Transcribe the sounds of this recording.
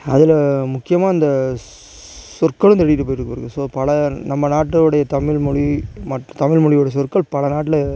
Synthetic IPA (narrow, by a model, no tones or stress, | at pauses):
ɐ̰ðɪlmʊkːɪjɐmaːɪnd̪ɐ | sɔrkɐɭɯmt̪ɛɽɪjɪʈɯp̬ːoːjɪɾɯkːɯʋɐɾɯkːɯsoːpɐɭɐnɐmːɐnaːʈːɯɽɐjɐt̪ɐmɪɭmɔɻimɐʈːt̪ɐmɪɭmɔɻɪɯɽɐjɐsɔrkɐɭpɐɭɐnaːʈːɪlɐ